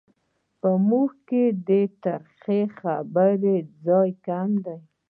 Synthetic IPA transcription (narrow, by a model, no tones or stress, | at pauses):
pəmuxked̪et̪aɾxexabəɾed͡zɑjkamd̪aj